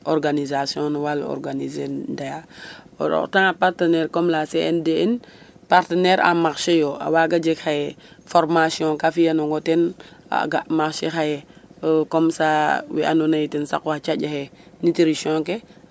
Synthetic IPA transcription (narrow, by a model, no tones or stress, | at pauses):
ɔɾɡanizasjɔ̃nwalɔ̰ɾɡanizedaja | ɔ̰ɾɔ̰taŋapaɾtenɛɾkɔmlaseendeen | paɾtenɛɾʔa̰makʃejɔa̰waɡad͡ʒekxajɛfɔɾmasjɔ̃kafijanoŋɡotena̰ɡamaxʃexajekɔmsawḭʔa̰nonajitinsa̰kɔhat͡ʃaɟahenitiɾisɔ̃ŋke